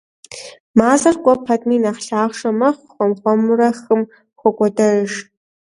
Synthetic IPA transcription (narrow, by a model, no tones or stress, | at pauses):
maːzɐrkʷʼɔpʰɐtʼmiːnaχɬaːχʂɐmɐχʷχʷɔmχʷɔmɨrɐxɨm | xʷɔɡʷɔdɐʂ